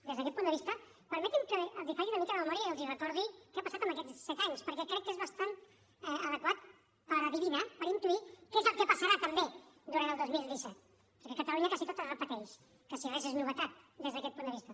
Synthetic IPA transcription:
d̪ezðəkɛt̪pund̪əβist̪ə | pəɾmɛt̪imkəːlˠzifaɣiunəmikələməmɔɾiəiəlˠzirəkɔɾð̞ikɛapəsat̪əmək̬ɛt̪ssɛt̪aɲspəɾkɛkɾɛkːezβəst̪an | ɛəðəkwat̪̚ | pəɾləðiβinəpəɾint̪uikezəlˠkəpəsəɾat̪əmbed̪uɾant̪ːlˠd̪ozmilzd̪isɛt̪ | pəɾkɛkət̪əluɲəkazit̪ot̪əlrəpət̪ɛʃ | pəsiβɛzeznuβət̪at̪̚d̪ezðəkɛt̪̚pund̪əβist̪ə

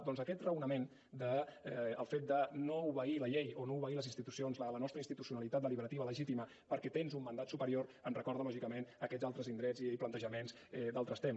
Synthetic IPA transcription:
d̪ɔnzəkɛt̪rəwnəmen | d̪əɛːlˠfet̪̚d̪ənouβəiləʎejonouβəɣiləzinst̪it̪usionzlələnɔst̪ɾəinst̪it̪usiunəlit̪at̪d̪əliβəɾət̪iβələʒit̪imə | pəɾkɛt̪enzumːənd̪at̪supəɾioɾənrəkɔɾðəmaʒikəmenəkɛdzalˠt̪ɾəzind̪ɾɛziplənt̪əʒəmenz | ɛd̪alˠt̪ɾəst̪em

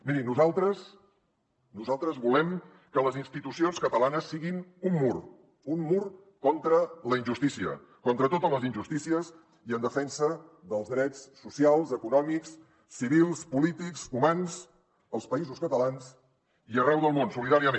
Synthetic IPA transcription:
miɾinuzalˠt̪ɾəs | nuzalˠt̪ɾəzβulɛm | kələzinst̪it̪usionskət̪əlanəsːiɣinummur | unmur | kɔnt̪ɾələinʒust̪isiə̰ | kɔnt̪ɾət̪ot̪əzləzinʒust̪isiəs | iənd̪əfɛnsəðəlˠzðɾɛt͡sːusialˠzəkunɔmiksː | iβ̞ilˠspulit̪iksumans | əlˠspəizuskət̪əlans | iərɛwðəlˠmonsuliðaɾiəme

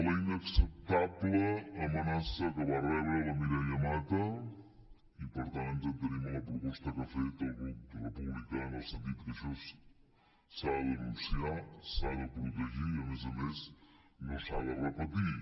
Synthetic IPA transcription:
ələinəksəp̚t̪abləːmənasəkəβərɛβɾələmiɾəʎəmat̪ə | ipəɾt̪ant̪ənt̪ənimləpɾupɔst̪əkəfet̪əlˠɣurəpuβlikaənəlˠsənt̪it̪kəʃɔs | salərusiasaðəpuɾut̪əʒiiəmezəmez | nosa̰ðərəpət̪i

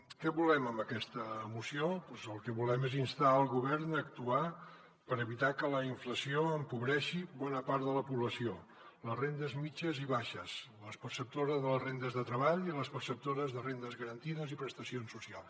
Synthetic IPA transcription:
kɛβulɛməmbəkɛst̪əːmusiopɔzəlˠkəβulɛmezinst̪aəlˠɣuβɛɾnək̚t̪ua | pəɾəβit̪akələiɱfləsioəmpuβɾɛʃiβɔnəpaɾðələpuβləsio | ləzrend̪əzmit͡ʃəziβaʃəsləspəɾsəp̚t̪oɾəzðələzrend̪əzðət̪ɾəβaʎiləspəɾsəp̚t̪oɾəzðərend̪əzɣəɾənt̪iðəzipɾəst̪əsionsusialˠs

